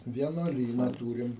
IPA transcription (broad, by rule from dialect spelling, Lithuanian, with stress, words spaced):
ʋʲiɛnuɔˈlʲiːnɐ ˈtuːrʲɪm